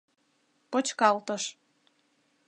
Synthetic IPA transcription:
pot͡ɕkɑlt̪əʃ

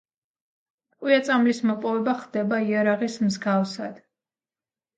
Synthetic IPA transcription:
qʼwiat̪sʼamlismɔpʼɔvɛbaχd̪ɛbaiaɾaʁismzɡafsad̪̥

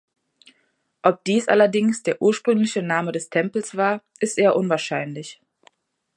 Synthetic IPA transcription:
ʔɔp̚d̥iːsʔa̰lɐdɪŋsd̥eːɐʔuːɐʃpʁ̥ʏŋlɪçənaːmədɛstʰɛmpl̩sv̥aːɐ | ʔɪstʔeːɐʔʊnvaːɐʃaɪnlɪç

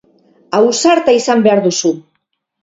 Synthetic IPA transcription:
awsaɾt̪aisambe̞aɾðusu

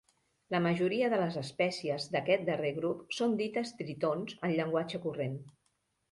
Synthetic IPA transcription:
ləməʒuɾiəðələzəspɛsiəzd̪əkɛt̪̚d̪əreɣɾupsond̪it̪əst̪ɾit̪onzənʎəŋɡwad͡ʒəkuren

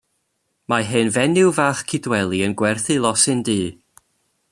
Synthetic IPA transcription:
maɦɨnvɛnɪwvaːχkʰɪdwɛlˠiənɡwɛrθɨlˠɔsɨndiː

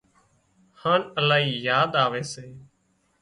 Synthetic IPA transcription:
hãːnəlaːɦiːjaːd̪aːʋeːseː

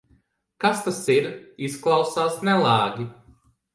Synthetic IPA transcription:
kast̪asiɾisklˠawsaːsnɛlˠaːɡʲi

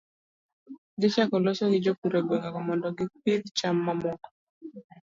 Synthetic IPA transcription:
ɡɪt͡ʃakɔlɔsɔɡɪd͡ʒopuɾebekakɔmɔndɔɡɪpid̪t͡ʃamːamɔkɔ̥

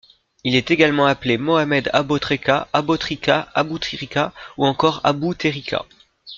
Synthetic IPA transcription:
ilɛt̪eɡalmɑ̃aplemɔamɛd̪a̰bot̪χekaabot̪χikaabut̪χiʁikauɑ̃kɔʁa̰but̪eʁikʲa̰

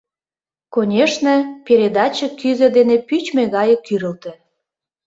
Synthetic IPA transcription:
konʲeʃnə̆peɾʲed̪ɑt͡ɕə̆kyzə̆d̪enepyt͡ɕmeɣɑjə̆kyɾə̆lt̪ĕ

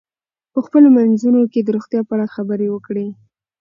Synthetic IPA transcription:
pəxpəlomanzunoked̪əɾoxt̪jɑpəaɽaxabəɾewəkɽe

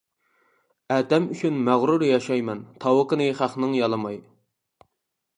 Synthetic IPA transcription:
æːd̪ɛmyt͡ʃʰynmæʁɾuɾjɑʃɑjmɛnt̪ʰɑwəqənɨχæχnɨŋjɑlˠɨmɑj

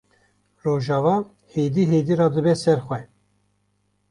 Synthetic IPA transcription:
roːʒɑːvɑː | heːd̪iːɦeːd̪iːɾɑːd̪ɨbɛsɛɾxʷɛ

